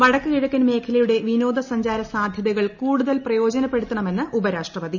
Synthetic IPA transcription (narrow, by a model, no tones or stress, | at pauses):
ʋɐɽɐkːɨiɻɐkːɐnme̞ːkʰɐlɐjuɽe̞ʋino̞ːd̪ɐsɐɲd͡ʑaːɾɐsaːd̪ʱjɐðɐɣɐɭkuːɽuðɐlprɐjo̞ːd͡ʑɐnɐpːe̞ɽut̪ːɐɳɐme̞nːɨʔubɐɾaːʂʈrɐʋɐd̪i